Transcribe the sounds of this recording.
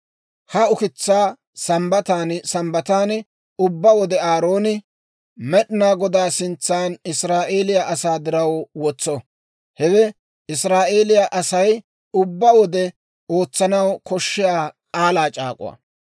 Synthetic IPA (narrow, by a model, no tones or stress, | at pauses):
hɐʊkɪt͡sːaː | sɐmbɐt̪aːnsɐmbɐt̪aːn | ʊbːɐwɔd̪ɛaːɾo̞ːnɪ | mɛɗɪnaːɡɔd̪aːsɪnt͡sːaːnɪsɾaːʔe̞ːlɪjaʔɐsaːd̪ɪɾɐwwɔt͡sːɔ | hɛɡɛ | ɪsɾaːʔe̞ːlɪjaʔɐsɐj | ʊbːɐwɔd̪ɛ | o̞ːt͡sːɐnɐwkɔʃːɪjaːkʼaːlaːt͡ʃʼa̰ːkʼʊ̰wɐ̰